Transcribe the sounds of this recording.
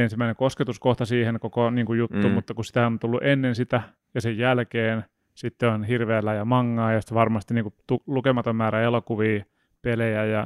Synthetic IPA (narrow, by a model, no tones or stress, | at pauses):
ensimːˑæineŋkosket̪uskoht̪ɑsiːhenkokoniːŋkujut̪ːuːmut̪ːɑkussi̥t̪æont̪ulːuʔenːensit̪æ | jɑsejjælkeːn | sit̪ːeonhirʋeælːæjɑmɑŋːɑːjɑsi̥t̪ʋɑrmɑst̪iniːŋkut̪ulukemɑt̪ommæːɾæelokuʋiː | pelejæjɑ